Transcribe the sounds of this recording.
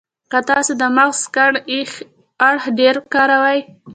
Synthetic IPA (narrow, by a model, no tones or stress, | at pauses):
kat̪ɑsed̪əmaɣz̥kaɽ | aɽhɖeɾkɑɾawaj